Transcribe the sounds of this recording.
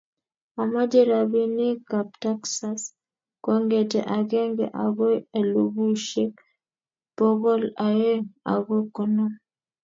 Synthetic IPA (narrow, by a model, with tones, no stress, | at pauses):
a˨ma˦d͡ʒe˦ɾa˨bi˦nɪ˦ka˨pta˦ksa˦s | kɔ˦ŋɡe˨tḛ˨ʔa˨ɡɛ˦ŋɡɛ̰˨ʔa˨ɡɔ˦e˨lo˨bu˦ʃe˦k | pɔ˦ɡɔ˦la˨je˦a̰˨ɡɔ˦kɔ˨nɔ˦